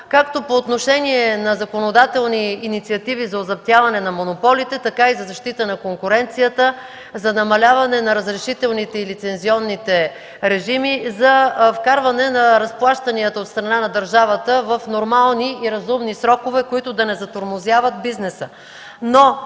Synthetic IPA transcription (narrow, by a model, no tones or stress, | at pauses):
kakt̪opoːt̪noʃɛniɛnɐzɐkonod̪at̪ɛlˠniːnit̪siɐt̪ivizɐozɐp̚t̪javɐnɛnɐmonopɔlit̪ɛt̪ɐkaizɐzɐʃt̪it̪ənɐkoŋkʊɾɛnt̪sijət̪ə | zɐnɐmɐlʲavɐnɛnɐɾəzɾɛʃit̪ɛlˠnit̪ɛilit̪sɛnziɔnːit̪ɛ | ɾɛʒimizɐfkaɾvɐnɛnɐɾɐsplˠaʃt̪ɐniət̪əot̪st̪ɾɐnanɐd̪əɾʒavət̪əvɐfnoɾmalˠniiɾɐzumnisɾɔkovɛkoit̪ʊd̪ɐnɛzɐt̪oɾmozʲjavɐt̪̚biznɛsə | no